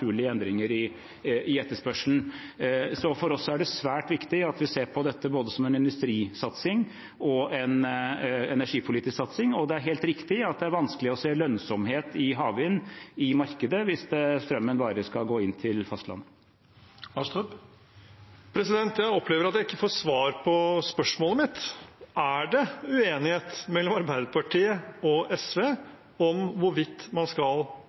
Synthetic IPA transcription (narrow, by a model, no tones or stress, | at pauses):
ʉːɭɪəɛnd̪ɾɪŋəɾɪ | ɪɛt̪ːəʂpœʂln̩ | sɔfɔɾɔsːæɖɛsʋæːʈʋɪkt̪ɪɑt̪ʋɪseːɾpʰɔd̪ɛt̪ːəboːd̪əsɔmɛnɪnd̪ʉst̪ɾiːsɑt̪sɪŋ | ɔɛn | ɛnæʂiːpʰʊliːt̪ɪsksɑt̪sɪŋɔd̪ɛæɾɦeːlt̪ɾɪkt̪ɪɑt̪̚d̪ɛæɾʋɑnsklɪɔseːlœnsɔmɦeːt̪ɪɦɑːʋɪnɪmɑɾkəd̪əʋɪsd̪ɛst̪ɾœmːənbɑːɾəskɑlɡoːɪnt̪ʰɪlfɑst̪lɑ̰nːə | ɑʂt̪əp | pʰɾɛsɪd̪ɛnt̪jæɪɔpʰleːʋəɾɑt̪̚jæɪɪkːəfoːsʋɑːɾpʰɔspœʂmoːləmɪt̪æɖɛʉeːnɪheːt̪mɛlːɔmɑɾbæɪd̪əpʰɑʈʰiːəɔɛsʋeː | ɔmʋʊɾʋɪt̪ːmɑnskɑl